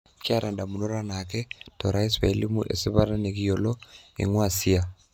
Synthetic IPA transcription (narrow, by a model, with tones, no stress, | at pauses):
ka˦ɾa˨nda˨mu˨no˦ɾa˦na˨kɛ˦toɾa˦i˦swa˨˦li˦mu˦ʔḛ˨si˦βa˦ɾa˦nekijo˨lɔ˦ḛ˨ŋwa˦˨si˦a